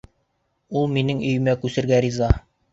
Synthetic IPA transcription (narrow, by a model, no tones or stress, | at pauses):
ulˠminɘŋɵ̆jɘ̆mækʉsɘ̆ɾɡæɾizɑ